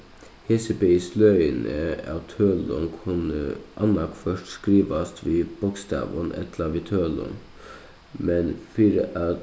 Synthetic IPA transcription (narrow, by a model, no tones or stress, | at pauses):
hesəpeslœʏənəɑt̪ʰøːlɔ̰nkʰʊnəʔɑnɑkfœʂʈskɾiːʋɑst̪ʰʋiːb̥ʊkst̪ɑ̰ːʋənʔɛ̰t̪ʰlɑʋiːt̪ʰøːlɔ̰n | mɛnfiːɾəʔɑ